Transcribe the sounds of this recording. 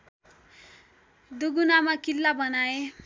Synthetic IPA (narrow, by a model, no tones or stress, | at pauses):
d̪uɡunamakilːabʌnae